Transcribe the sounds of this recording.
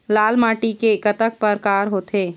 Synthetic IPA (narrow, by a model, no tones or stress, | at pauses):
laːlmaːʈikekət̪ək̚pɐɾkaːɾɦoːt̪eː